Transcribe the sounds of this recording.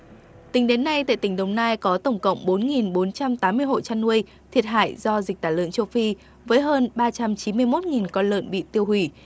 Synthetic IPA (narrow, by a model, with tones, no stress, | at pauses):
t̪ï˨˦ŋ̟ɗe˨˦nːa˧jt̪a̰ː˧˨jt̪ï˧˩ŋ̟ɗə˧˩wŋ͡mnaː˧jkɔ˨˦t̪ə˧˩wŋ͡mkə̰˧˨wŋ͡mɓo˨˦nŋi˨˩nɓo˨˦nt͡ɕa˧mt̪aː˨˦mːɨ˧əjɦo̰˧˨jt͡ɕa˧nːu˧əj | t̪ʰi˨˩ət̚ɦa̰ː˧˨jzɔ˧zi˨˩k̚t̪aː˧˩lɨ̰˧˨əŋt͡ɕə˧wfi˧ | vəː˨˦jɦəː˧nɓaː˧t͡ɕa˧mt͡ɕi˨˦mɨ˧əjmo˦˥t̚ŋi˨˩nkɔ˧nlə̰ː˧˨nɓḭ˧˨t̪i˧əwhwi˧˩